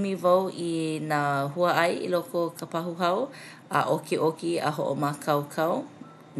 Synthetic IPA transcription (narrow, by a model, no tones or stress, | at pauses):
mivawinaːɦuɐʔɐjḭlokokʰapaɦuɦɐw | a̰ʔokeʔokiə̰ɦo̰ʔo̰makʰɐwkʰaw